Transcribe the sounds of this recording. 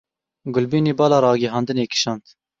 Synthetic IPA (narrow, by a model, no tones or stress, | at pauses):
ɡʊlbiːneːbɑːlɑːɾɑːɡiɦɑːnd̪ɨneːkɪ̥ʃɑːnt̪